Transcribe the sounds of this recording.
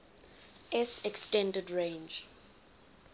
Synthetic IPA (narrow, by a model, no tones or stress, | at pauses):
ʔɛsɛkstɛ̃ndɛdɹẽnd͡ʒ